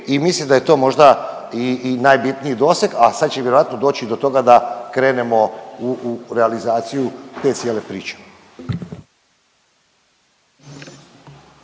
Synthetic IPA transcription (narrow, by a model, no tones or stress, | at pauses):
imislimd̪aje̞t̪o̞ːmo̞ʒd̪a | iːnajbit̪niid̪o̞ːseɡasad̪t͡ɕejeɾoʋat̪nod̪o̞ːt͡ɕid̪o̞t̪o̞ɡad̪akɾe̞ːne̞mo̞uɾealizaːt̪sijut̪e̞ːt̪sjeːle̞pɾḭːt͡ɕe̥